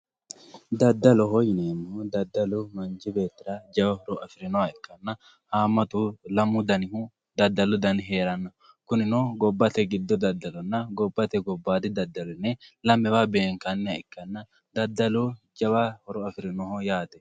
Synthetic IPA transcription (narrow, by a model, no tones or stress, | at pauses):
d̪ɐd̪ːɐlɔɦɔjɪneːmːɔd̪ɐd̪ːɐlʊmɐnd͡ʒɪbeːt̪ːɪɾɐd͡ʒɐbɐhɔɾɔʔɐfɪɾɪnɔwɐɪkːɐnːɐ | haːmɐt̪ulɐmʊd̪ɐnɪhu | d̪ɐd̪ːɐlʊd̪ɐnɦe̞ːɾɐnːɐ | kʊnɪnɔɡɔbːɐt̪ɛɡɪd̪ːɔd̪ɐd̪ːɐlɔnːɐɡɔbːɐt̪ɛɡɔbːaːd̪ɪd̪ɐd̪ːɐlʊnɛlɐmːɛwabeːŋkɐnːɛɐɪkːɐnːɐ | d̪ɐd̪ːɐlu | d͡ʒɐbɐhɔɾɔɐfɪɾɪnɔhɔjaːt̪ɛ̥